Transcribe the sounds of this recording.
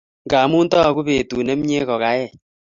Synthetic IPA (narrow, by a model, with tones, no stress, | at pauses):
ŋɡa˨mu˦ntɔ˦˨ku˦pe˨tu˨nɛ˦m˦ɲe˦kɔ˨ka˨˦jɛ˦˨